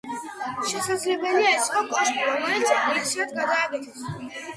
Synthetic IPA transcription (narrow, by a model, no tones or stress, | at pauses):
ʃɛsad̪zlɛbɛliaɛt̪sʼqʼɔkʼɔʃkʼiɾɔmɔɛnɔit̪sʰiad̪ɡad̪aːɡɛt̪ʰɛs